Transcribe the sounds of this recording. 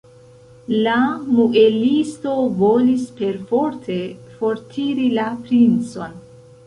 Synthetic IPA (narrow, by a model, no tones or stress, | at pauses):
lamuʔelisto̞vo̞lispe̞ɾfo̞ɾtʰe̞fo̞ɾtʰiɾilapɾint͡so̞n